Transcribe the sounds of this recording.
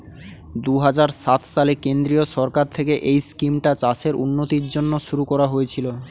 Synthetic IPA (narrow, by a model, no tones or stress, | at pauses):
d̪uɦad͡ʑaɾʃat̪ʰʃalekend̪ɾioʃɔɾkaɾt̪ʰekeʔejskimʈat͡ɕaseɾṵnːot̪iɾd͡ʑonːoʃuɾukɔɾaɦojet͡ɕʰilo